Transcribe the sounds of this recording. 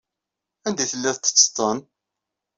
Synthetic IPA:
ænd̪iθəlːæθt̪ːə̥t͡sːt̪ˤːən

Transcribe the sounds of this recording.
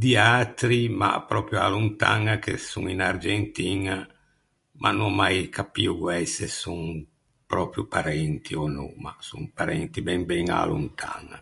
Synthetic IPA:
d̪iat̪ɾima̰pɾɔpɾjualunt̪aŋakḛsṵŋinard͡ʒent̪iŋa | mʔa̰numajkʰapiuɡwɛsesuŋ | pɾɔːpɾjupaɾɛnt̪ʰionɔ̰ma̰suŋpaɾɛnt̪ibɛmbɛŋa̰lṵnt̪ʰa̰ŋa̰

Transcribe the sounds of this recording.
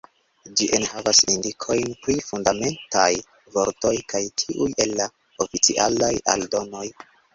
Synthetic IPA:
d͡ʒiʔe̞nhavasindikʰo̞jnpɾifundame̞ntaj | vo̞ɾto̞jkajtʰiʔujelːa | ofit͡sḭʔa̰laja̰ldo̞no̞j

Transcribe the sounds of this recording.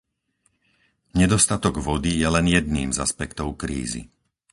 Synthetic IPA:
ɲɛd̪ɔst̪at̪ɔɡʋɔd̪ijɛlɛnjɛd̪niːmza̰spɛkt̪ɔʊkɾḭːzḭ

